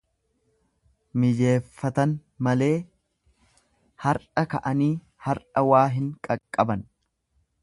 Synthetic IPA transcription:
mɪd͡ʒe̞ːfːɐt̪ɐn | mɐle̞ː | hɐɾʔɐkɐʔɐniː | hɐɾᶑɐwaːɦɪŋkʼɐkʼːɐbɐn

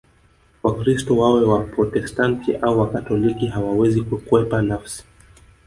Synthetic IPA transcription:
wakɾistɔwawɛwapɾɔtɛstantʰiʔauwakatɔlikiɦawawɛzikukuwɛpanafsi̥

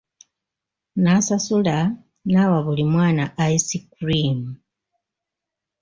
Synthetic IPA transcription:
nasasula | nawaβulimwaːnaaisikɾimu

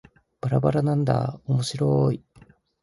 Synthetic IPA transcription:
b̥aɾabaɾanãnd̪a̰omo̞ɕiɾoi

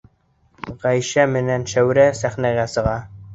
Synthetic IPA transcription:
ʁæjʃæmɘ̆nænʃæwɾæsæχnæɣæsɤ̆ʁɑ

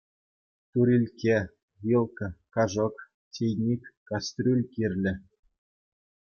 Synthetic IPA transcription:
t̪uɾʲilʲkʲe | vʲilˠkɤ̆kɑʐɤ̆k | tʲejnʲikʲkɑst̪ʲrʲulʲkʲirʲlʲɘ̆

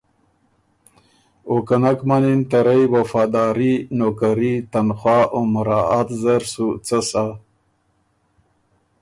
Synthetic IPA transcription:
okanakmanint̪aɾajwafaːd̪aːɾinokaɾit̪anxwɑːʔomʊɾaat̪zaɾsut͡sasa

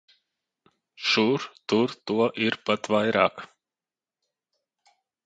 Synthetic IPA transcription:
ʃuɾt̪uɾt̪uɔʔiɾpat̪vajɾa̰ːk

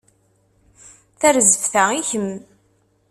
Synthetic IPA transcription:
θæɾzəvθæiçəm

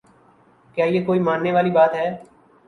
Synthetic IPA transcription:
kjaːjeːkoːiːmãːnneːʋaːliːbaːt̪ɦɛː

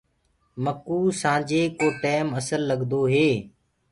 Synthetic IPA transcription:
məkuːsãːd͡ʒeːkoːʈeːməsəlːəɠd̪oːɦeː

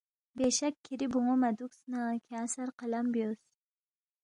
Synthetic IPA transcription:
beʃɛkʲʰːiɾɪbʊŋɑmɛd̪uksɨnɑkʲʰæːsæɾqʰəlˠambjos

